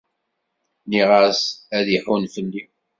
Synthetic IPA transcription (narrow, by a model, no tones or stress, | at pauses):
niʁəsæðiħunfəlːi